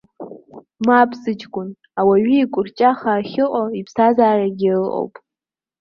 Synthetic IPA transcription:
maːpʰsɨt͡ʃkʷʼʊn | awaɥiːkʷʼʊrt͡ʃʼaχaːχʲɪqʼoipʰsazaːraɡʲɪrɨʔʼo̰wpʼ

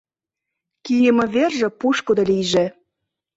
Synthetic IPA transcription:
kijə̆mɤ̆βerʒĕpuʃkod̪olijʒĕ

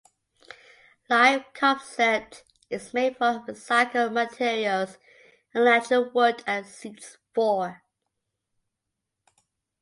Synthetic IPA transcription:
laɪvkʰɑ̃bsɛt | ɪzmeɪdfəvəsaɪkʰəmətʰɪɹiəlˠz | ə̃nlætəwɜdəsits | fɔ

